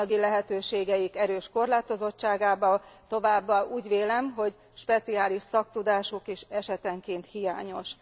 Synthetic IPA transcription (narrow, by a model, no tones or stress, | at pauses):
ɒɡilɛɦɛt̪øːʃeːɡɛjikɛɾøːʃko̞rlaːt̪o̞zo̞t͡ʃt͡ʃːaːɡaːbɒlt̪o̞vaːbːɒuːɟʋeːlɛmɦo̞ɟ | ʃpɛt̪siaːliʃsɒk̚t̪ud̪aːʃukeːʃɛʃɛt̪ɛŋkeːnt̪hija̰ːɲo̞ʃ